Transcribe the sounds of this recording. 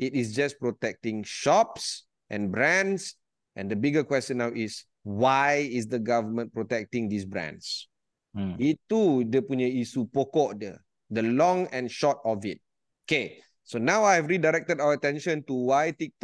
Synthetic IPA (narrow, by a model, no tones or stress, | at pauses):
itisd͡ʒaspɹotɛk̚tĩŋʃɔps | ʔɛ̰̃nbɹɛ̃ns | ʔɛ̰̃ndəbiɡəkwɛstə̃nːawʔis | wajisdəɡavəmə̃npɹotɛk̚tĩŋdisbɹɛ̰̃ns | ittːudəpuɲəisupokɔʔdə | dəlɔ̃ŋɛ̃nʃɔtɔfit̚ | oke | sonawajhɛvɹidaɾɛk̚tədawəətɛ̃nʃə̃ntuwajtik̚tɔ